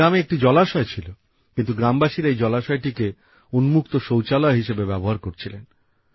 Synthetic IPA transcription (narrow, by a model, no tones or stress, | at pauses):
ameek̚ʈid͡ʑɔlaʃɔet͡ɕʰilo | kint̪uɡɾambaʃiɾejd͡ʑɔlaʃɔeʈike | unmuk̚t̪oʃowt͡ɕalɔeɦiʃebebɛboɦaɾkoɾt͡ɕʰilen